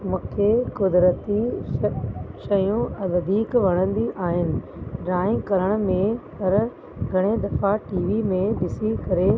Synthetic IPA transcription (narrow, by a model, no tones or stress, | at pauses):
mʊ̃kʰekʊd̪ɾət̪i | ʃɐjũɐʋɐd̪ʱiːkʋɐɽ̃ə̃nd̪iʔaːɦɪnɪ̆ | ɖɾaːɪ̃ŋkɐɾəɽ̃ʊ̆mẽpɐɾ | ɡʱɐɽ̃ed̪ɐfaʈiːʋimẽd̪ɪsikɐɾe